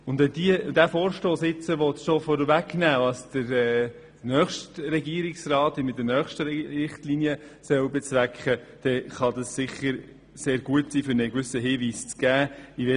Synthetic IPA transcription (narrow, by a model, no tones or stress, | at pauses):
ʊndɛdiəd̥æfoːɾʃtoːsɪt͡səʋɔtʃofɔɾəʋæknæːʋɑsd̥əɾɛː | nœχʃtɾɛɡiəɾɪksrɑːtimɪt̚dəɾnœχʃtəɾɪχtlinjə | sœwbɛt͡svækχə | d̥ɛχɑd̪ɑssɪχəɾ | seːɾɡ̥uətsiːfʏɾnɛɡʋʏsəɦɪːʋiːst͡sɡ̥æːiʋɛ